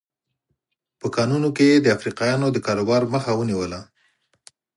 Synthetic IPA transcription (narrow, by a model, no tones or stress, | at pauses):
pəkɑnunokejed̪əafɾiqɑjɑnod̪əkɑɾobɑɾməxawəniwəla